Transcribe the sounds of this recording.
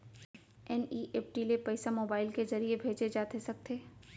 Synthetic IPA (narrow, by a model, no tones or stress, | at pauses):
ɛniːʔeːpʈilepɛɪsamoːbaːɪlkezɐɾiebʱeːd͡ʒed͡ʒaːt̪esɐk̚t̪ʰeː